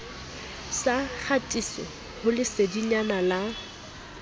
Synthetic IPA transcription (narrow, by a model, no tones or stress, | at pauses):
saχʰatʼisɪ̰ | hʊlɪsediɲanala